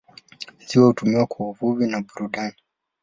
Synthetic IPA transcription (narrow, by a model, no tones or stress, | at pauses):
ziwɔhutumiwakwauvuvinaɓuɾuɗani